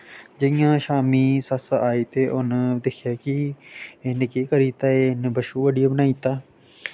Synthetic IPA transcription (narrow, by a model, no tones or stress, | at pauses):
d͡ʒəɪjãːʃaːmiːsəsaːiːt̪eːʔʊnd̪ekʰjaːkɪenɪkeːkəɾiːt̪aːeːnbəʃuːʋəɖɪjaːbnaːiːt̪aː